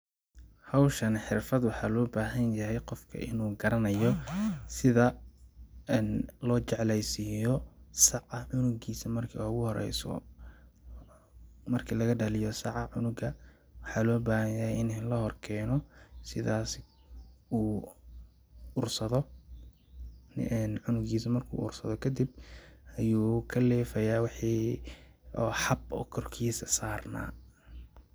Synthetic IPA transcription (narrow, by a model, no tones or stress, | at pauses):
hɑwʃɐnħɪrfɐd̪wɑħɑːlɔːbaːɦɐnjɐɦɛjqɔfkʰɐ̰ʔɪnuːɡɐɾɐnɐjɔsɪðɐ | nlɔːt͡ʃɛʕlɛjsijɔsɑʕɐʕʊnʊɡiːsɐmɐrkʰḭʊɣʊhɔɾɛ̰jsɔ̰ | mɐrkʰilɐɣɐɖɐlɪjɔsɑʕɑʕʊnʊɡɐ | wɑħɑːlɔːbaːhɐjaɪnnlɐhɔrkʰɛːnɔsɪðaːs | uː | ʊrsɐðɔ | n̰ːnʕʊnʊɡiːsɐmɐrkʰṵːʔʊ̰rsɐðɔkʰɐd̪ib̚ɐjuːkʰɐlɛːfɐjaːwɑħiː | ɔːħɑbɔ̰ːkʰɔrkʰiːsɐsaːrna̰ː